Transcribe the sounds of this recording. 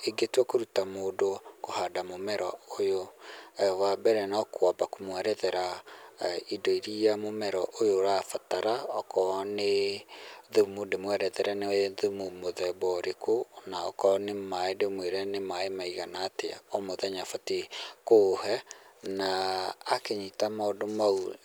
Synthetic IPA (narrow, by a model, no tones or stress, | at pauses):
eɡetwɛkoɾutamoːdokohadamomɛɾɔojoɛwabɛɾɛnɔkwabakomwɛɾɛðɛɾa | idɔiɾiamomɛɾɔʔojoɾafataɾaɔkɔne | ðumudemwɛɾɛðɛɾɛneðumumoðɛbɔɾekonaɔ̰kɔnemaedemweɾɛnemaemaiɣanaːteɔmoðɛɲafatekohɛnaːkeɲitamaodomau